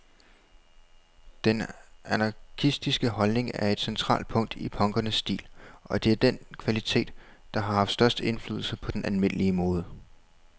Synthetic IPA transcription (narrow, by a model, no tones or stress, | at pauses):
d̥enænɑ̈kʰisd̥isɡ̥əhɒ̽lne̝ŋæɐe̝d̥sent͡sʰʁɑ̰̈ːld̥̚pʰɔ̽ŋ̰d̥ipʰɒ̽ŋɡ̥ɐnəsːd̥ḭːlʔɒ̽d̥e̝æɐd̥enkʰʋælit͡sʰe̝̰ːd̥ː | ɑ̈ɦɑ̈hɑfd̥sd̥ɶɐsd̥əe̝nfly̰ːðˠl̩səpʰɒ̽d̥enʔælme̝n̰əliəmɔ̽ːð̞ˠə